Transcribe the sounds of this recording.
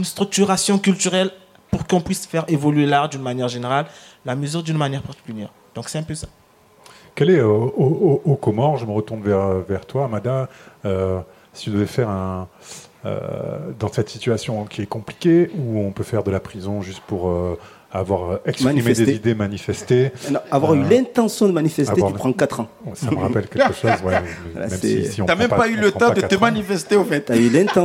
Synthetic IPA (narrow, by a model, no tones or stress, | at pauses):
ynst̪χyk̚t̪yʁasjɔ̃kʲylt̪yʁɛl | puʁkɔ̃pɥisfɛʁevɔlɥelaʁd̪ynmanjɛʁʒeneʁallaməzyʁd̪ynmanjɛʁpaʁt̪i̥kʲyljɛ̰ʁ | d̪ɔ̃ksɛɛ̃pøsḁ | kɛlɛøoookɔmɔʁʒəməʁət̪uʁnvɛʁøvɛʁt̪waːmad̪aø | sit̪ud̪əvɛfɛʁɛ̃ | ø̰d̪ɑ̃sɛt̪sit̪yasjɔ̃kʲiɛkɔ̃pli̥kʲeuɔ̃pøfɛʁd̪əlapχizɔ̃ʒyst̪̚puʁø | avwaʁɛksp̪χimed̪ezid̪emanifɛst̪eñavwaʁylɛ̃t̪ɑ̃sjɔ̃d̪əmanifɛstvewaypχɑ̃kat̪χɑ̃ | wɛsɔməʁapɛlkʲɛkəʃozwɛmɛ̰la̰mɛmɛ̰siɔ̃amɛmpapaylət̪ãpad̪əkat̪əmanifɛst̪eɑ̃fɛt̪aylɛ̃t̪ɑ̃